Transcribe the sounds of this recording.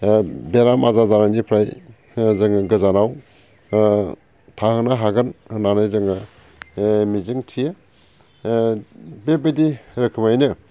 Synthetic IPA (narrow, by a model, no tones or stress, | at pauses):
beɾamazazaɾanipʰɾaj | zɯŋɡɯzanaw | tʰahɯnaɦaɡɯnnanajzɯŋɯ | mizɯŋtʰije | bebediɾɯkʰɯmajnɯ